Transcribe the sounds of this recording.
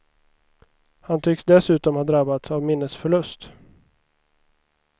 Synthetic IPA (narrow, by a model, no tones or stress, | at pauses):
hant̪ʰʏksd̪ɛsʉ̟ːt̪ɔmhaːd̪ɾabːat̪savmɪnːəsfœɭɵst̪